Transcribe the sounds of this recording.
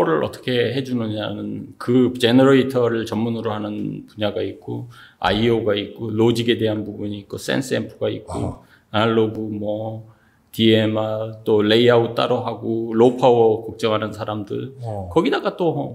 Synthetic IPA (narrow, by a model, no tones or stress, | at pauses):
ɾɯɭʔʌt͈ʌ̥kʰe̞ɦe̞d͡ʑunɯɲanɯnkɯt͡ɕe̞nʌɾitʰʌɾɯɭt͡ɕʌmːunɯɾohanɯnpuɲaɡait̚k͈oa̰ioɡaik͈olod͡ʑiɡe̞de̞ɦanpubuɲiːk̚k͈os͈ḛns͈empʰɯɡaḭt̚k͈o | aɭːobumwʌ | tie̞mat͈ole̞iaut͈a̰ɾʌɦaɡolopʰawʌkʌk̚t͡ɕ͈ʌŋɦanɯnsʰaɾamdɯɭkʌɡidaɡat͈o